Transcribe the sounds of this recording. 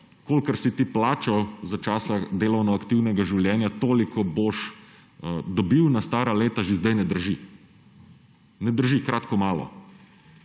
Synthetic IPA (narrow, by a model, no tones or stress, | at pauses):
kolkəɾsit̪iplaːt͡ʃɔzat͡ʃaːsad̪eːlɔwnɔakt̪iwnɛɡaʒiwljɛːnjat̪oːlikʰɔboʃ | d̪ɔbiwnast̪aːɾaleːt̪aʒezd̪ɛjnɛd̪əɾʒi | nɛd̪əɾʒikɾaːt̪kɔmaːlɔ̰